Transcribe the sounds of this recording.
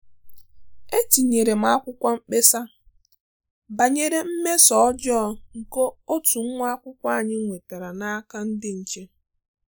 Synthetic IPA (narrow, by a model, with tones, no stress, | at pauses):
e˦ti˨ɲe˨ɾe˨m̩˦a˦kʷʊ˦kʷa˦ŋ͡m̩˦k͡pe˦sa˦ | ba˨ɲe˨ɾe˨m̩˦me˦sɔ˨ɔ˦d͡ʒɔ˦ŋ̩˨ko˦o˦tu˨ŋ̩˦ŋʷ˦a˦kʷʊ˦kʷa˦a˨ɲɪ˦ŋʷe˨ta˨ɾa˨na˦ka˦n̩˦dɪ˦n̩˨t͡ʃe˦